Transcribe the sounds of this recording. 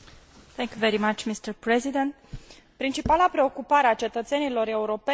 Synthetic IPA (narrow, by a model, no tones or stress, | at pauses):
θʰɛŋkʲjuveɾimat͡ʃmist̪əɾpɾezid̪ẽnt̪̚ | pɾint͡ʃipalapɾe̞o̞kupaɾeat͡ʃe̞t̪ət̪se̞nilo̞ɾeuɾo̞pe